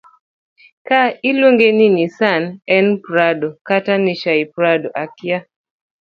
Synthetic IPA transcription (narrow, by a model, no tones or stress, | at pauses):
kailwoŋɡeninisanɛnpɾadɔkataniʃaipɾadɔʔakja